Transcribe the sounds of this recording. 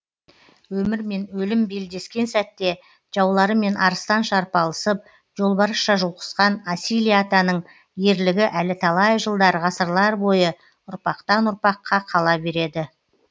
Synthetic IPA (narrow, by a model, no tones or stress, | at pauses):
wɵmɪɾme̞nwɵlɪmbe̞ld̪e̞skʲe̞nsæt̪ːe̞ | ʒ̥ɑwlˠɑɾəme̞nɑɾəst̪ɑnʃɑɾpɑlˠəsəp̚ | ʒo̞lˠbɑɾəʃɑʒuwqʰə̥sqɑnasilijat̪anəɴ | je̞ɾlɪɡʲɪʔælɪt̪ʰɑlˠɑjʒəlˠd̪ɑɾʁɑsəɾlˠɑɾbo̞jə | ʊɾpɑqt̪ɑnʊɾpɑqʰːɑqʰɑlˠɑbe̞ɾe̞d̪ɪ